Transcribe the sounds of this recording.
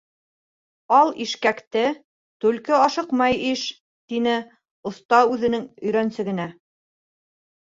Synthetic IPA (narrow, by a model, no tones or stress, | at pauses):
ɑlˠiʃkækt̪ɘ | t̪ʉlkɘɑʃɤqmɑjiʃ | t̪inɘ | ŏθt̪ɑʉðɘ̆nɘŋɵ̆jɾænsɘ̆ɡɘ̆næ